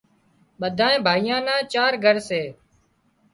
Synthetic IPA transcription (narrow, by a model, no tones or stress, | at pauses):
ɓəd̪ʱaːẽːbʱaːijãːnãːt͡ʃaːɾɡʱəɾseː